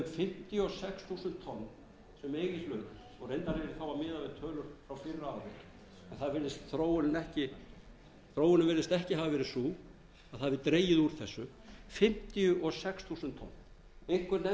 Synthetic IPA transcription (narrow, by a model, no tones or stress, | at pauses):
nt̪fɪm̥t̪ɪjʏɔsɛksθʰusʏnt̪ʰːɔnː | sɛmeːjɣɪslœːk̪ʏ | ɔɣrejnt̪aɾɪɪɾɪθawamɪːðavɛt̪ʰœːlʏɾ̥fɾawfɪrːaavɪ | ɛnθaðvɪlðɪst̪θɾoːwʏnɪnɛhcɪ | θɾowʏnʏmvɪlðɪst̪ɛhcɪɦavavɛːɾɪ̥suː | aðθaðvɪðt̪ɾeːjɪðuɾ̥θɛsːʏ | fɪm̥t̪ɪjʏʔɔsɛksθʰusʏnt̪ʰːɔ̰nː | ɪŋ̥kʏɾnɛ